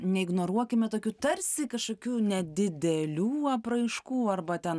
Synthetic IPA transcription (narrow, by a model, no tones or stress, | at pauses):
nʲɛɪɡnoːɾuɔkʲɪmʲɪt̪oːkʲuːt̪ɐrʲsʲɪkɐʃkoːkʲuːnʲɛd̪ʲɪd̪ʲɛlʲuːɐprɐɪʃkuːɐrbɐt̪ʲɛn